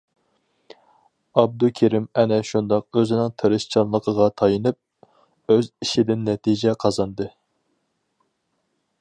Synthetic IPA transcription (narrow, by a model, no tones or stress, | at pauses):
ɑb̚d̪ukʲʰeɾɪmɛnɛʃund̪ɑq̚øzɪnɪŋt̪ʰɨɾɨʃt͡ʃʰɑnlˠəqʰəʁɑt̪ʰɑjɨnɨp̚ | øziʃɪd̪ɪnːɛt̪ʰid͡ʒɛqʰɑzɑnd̪ɨ